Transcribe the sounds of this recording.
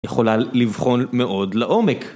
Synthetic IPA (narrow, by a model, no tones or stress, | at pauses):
jeχo̞lalivχo̞nmeʔo̞dleʔomek